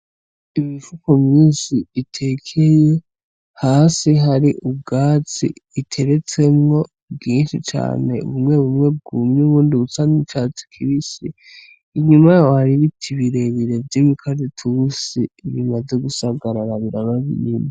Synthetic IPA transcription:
imifukomɲiːnsiːtʰekʰeje | haːsiɦaɾiʔubɡaːt͡sḭːtʰe̞ɾe̞t͡se̞mŋo̞ | bɡiːnʃit͡ʃa̰ːne̞ṵβumŋe̞βumŋe̞b̚ɡumɲuβuːndiβut͡sanit͡ʃat͡si̥kʰiβisiː | ɲumajawohaɾiβitʰiβiɾe̞βiɾe̞vɟimikʰazitʰusiβimaze̞ɡusaɡaɾaɾaβiɾanaβḭɲima

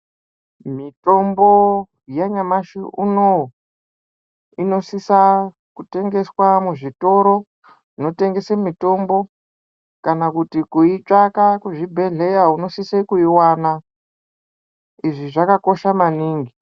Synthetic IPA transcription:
mito̞mbo̞ | jaɲamaʃiʔuno | ino̞sisa | kute̞ŋɡe̞swamuʐito̞ɾo̞ | ino̞te̞ŋɡe̞semito̞mbo̞ | kanakutikuit͡ʂakakuʐibʱe̞ɮe̞jauno̞sisekuiwana | iʐiʐakako̞ʃamaniːŋɡi

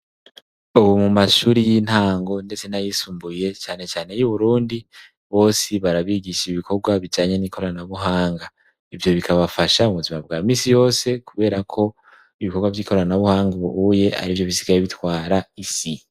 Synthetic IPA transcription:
uβumumaʃuːɾijin̥haːŋɡo̞nde̞t͡se̞najisuːmbuje̞t͡ʃaːne̞t͡ʃaːne̞juβuɾuːndi | βo̞ːsiβaɾaβiɡiʃiβikʰo̞ɡwaβid͡ʒaːɲe̞niːkʰo̞ɾaanaβuɦaːŋɡa | ivjo̞βikʰaβafaʃauβuzimabɡaːmiːsijo̞ːse̞kʰuβe̞ːɾakʰo̞ | iβiko̞ɾɡwavjiːkʰo̞ɾaanaβuhaːŋɡuβuhuːje̞a̰ɾivjo̞βisi̥ɡajeiβitwaːɾaisi

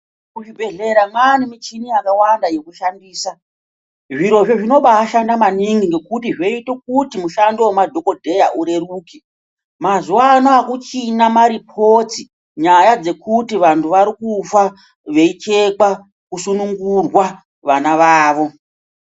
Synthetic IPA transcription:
kuʐibʱe̞ɮe̞ɾamwanimit͡ʃiniakawandaje̞kuʃandiːsa | ʐiɾo̞ʐeʐino̞ɓaːʃandamaniŋɡiŋɡe̞kutiʐeitok̚utimuʃandowomadʱo̞ko̞dʱe̞ja̰ʔuɾe̞ruːki | mazuanoakut͡ʃinamaɾipʰoti | ɲajad͡ze̞kutiʋantʰuʋaɾikufa | ʋe̞it͡ʃe̞kwa | kusunuŋɡurwa | ʋanaʋaːʋo̞

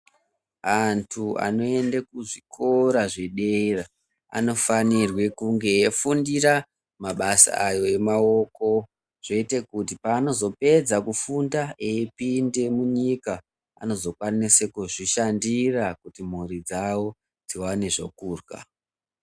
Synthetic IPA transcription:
antʰua̰no̞e̞ndekuʐikʰo̞ɾaʐeɗeira | a̰no̞fanirwe̞kuŋɡe̞fundiɾa | maɓasa̰ajo̞e̞mao̞ko̞ | ʐ̥e̞ite̞kut̬ipaːno̞zo̞pe̞d͡zakufundaeːpinde̞muɲika | a̰no̞zo̞kwanisekuʐiʃandirakutim̤urid͡zawo̞ | d͡ziwane̞ʐo̰kuːrwa̰

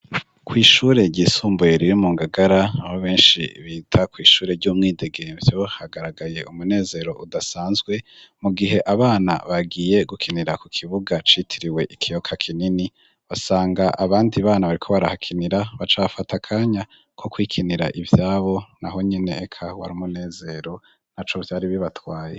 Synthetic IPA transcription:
kwiːʃuːɾe̞ɟiːsuːmbujeɾiɾimuːŋɡaɡaɾaahoβe̞ːnʃḭβitʰakwiːʃuːɾe̞ɾɟuːmŋiːde̞ɡevjo̞haɡaɾaɡaje̞ʔumune̞ːze̞ɾo̞ʔudasaːnzɡwe̞muɡiɦe̞ʔaβaːna̰βaɡije̞ɡukʰiniɾakukʰiβuɡat͡ʃitʰiɾiwe̞ʔikʰijo̞kʰakʰinini | βasaːŋɡaʔaβaːndiβaːnaβaɾikʰo̞βaɾahakʰiniɾaβat͡ʃafatakʰaːɲa | kʰo̞kwiːkʰiniɾa̰ʔivjaːβo̞naɦo̞ɲene̞ːkʰawaɾimune̞ːze̞ɾo̞ | nat͡ʃo̞vjaːɾiβiβatwaːje̞

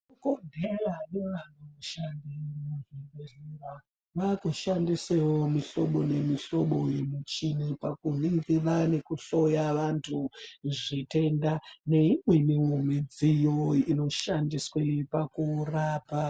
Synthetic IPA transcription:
kondʱeraneʋan̤ouʃandimuʐiɡerira | ʋakuʃandiswewomiɬo̞ɓo̞ne̞miɬo̞ɓojimut͡ʃinepakuniŋɡiʋane̞kuɬo̞jaʋantʰuʐite̞ndane̞imwemiwumed͡zijoino̞ʃandiswepakuraːpa

